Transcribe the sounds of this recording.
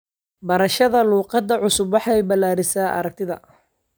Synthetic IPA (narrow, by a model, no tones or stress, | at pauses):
bɐɾɐʃɐðɐluːqɑd̪ɐʕʊsʊbwɑħɑjbɐlːaːɾɪsaːʔɐ̰ɾɐk̚t̪ʰɪðɐ̰